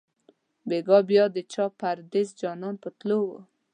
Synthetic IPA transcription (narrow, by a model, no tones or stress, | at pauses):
beɡɔbjɔd̪ət͡ʃɔpaɾd̪ɪzd͡ʒɑnɔnpət̪lowo